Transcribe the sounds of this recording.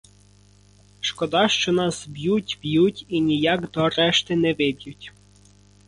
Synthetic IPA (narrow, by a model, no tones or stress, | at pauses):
ʃkɔd̪ɑʃt͡ʃɔnɑsbjutʲbjutʲinʲijɑkd̪ɔɾɛʃt̪ɪnɛʋɪbʲjʊtʲ